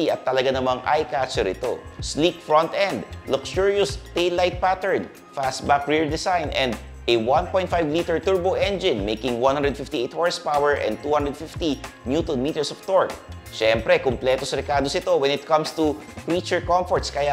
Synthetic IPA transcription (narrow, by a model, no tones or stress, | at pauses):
iʔɐt̪ːɐlɐɡanɐmaŋa̰jkat͡ʃɛɾɪt̪o̰slik̚fɹɔ̃nt̪ʔɛ̃nd̪lʊkʃuɹjʊst̪ejlajt̪̚pat̪ɛɹn | fast̪bakɹiɹd̪ɪsajnʔɛ̃nd̪ | ʔɛwãnpɔj̃t̪̚fajvliːt̪ɛɹt̪uɹboʔɛ̃nd͡ʒɪ̃nmejkɪ̃ŋwãnhand̪ɹɛd̪fɪft̪iʔejt̪̚hɔɹspawɛɹʔɛ̰̃nd̪̚t̪uːhãnd̪ɹɛd̪̚fift̪i | njut̪ɔnmiːt̪ɛɹsɔft̪oɹt̚ | ʃɛmpɾɛkʊmplɛt̪osɐɾɛkaːd̪osɪt̪o̞wɛnɪt̪̚kɐ̃mst̪upɹit͡ʃʊɹkɔ̃mfɔɹt̪skɐja